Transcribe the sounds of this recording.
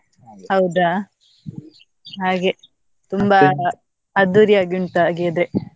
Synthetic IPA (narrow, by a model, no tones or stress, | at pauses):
hɐwd̪a | ɦaːɡe | t̪umbɐ | ɐd̪uɾiaːɡiuɳʈ̪aɡiɐd̪ɾe